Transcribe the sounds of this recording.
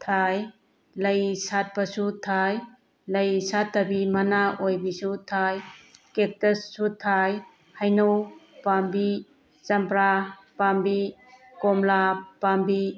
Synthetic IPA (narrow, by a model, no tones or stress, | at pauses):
tʰaj | lɐjsat̚pasutʰaj | lɐjsatːɐbimɐnaojbisutʰajkek̚tesːutʰaj | hajnowpambi | t͡ʃɐmpɾa | pambi | kɔmlapambi